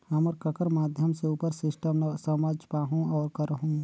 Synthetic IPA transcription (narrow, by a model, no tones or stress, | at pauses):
ɦəməɾkəkəɾmaːd̪ʱjəmseuːpəɾsɪʃʈəmsəmaːd͡ʒpaːɦũɔːɾkəɾəɦũ